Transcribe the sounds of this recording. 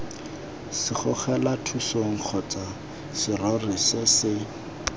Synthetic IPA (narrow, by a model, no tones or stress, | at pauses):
sɪχʊχɛlatʰusoŋ̩q͡χʰɔt͡sʼa | sɪrorisɛsɪ